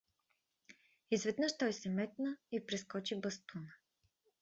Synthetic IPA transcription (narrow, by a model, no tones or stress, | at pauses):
izvɛd̪nəʃt̪ɔjsɛmɛt̪nəipɾɛskɔt͡ʃibəst̪unə